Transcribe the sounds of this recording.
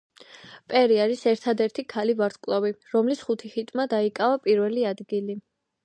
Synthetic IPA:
pʼɛɾiaɾisɛɾt̪ʰad̪ɛɾt̪ʰikʰalivaɾt̪ʰkʼlˠaviɾɔmlisχut̪ʰiχit̪ʼmad̪aikʼavapʼiɾvɛliad̪ɡili

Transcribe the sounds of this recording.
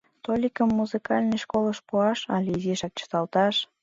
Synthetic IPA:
t̪olʲikəmːuzɨkɑlʲneʃkoləʃpuɑʃɑ̰lʲiziʃɑk̚t͡ɕə̥t̪ɑlt̪ɑʃ

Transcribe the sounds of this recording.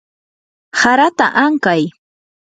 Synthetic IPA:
saɾat̪aʔaŋkaj

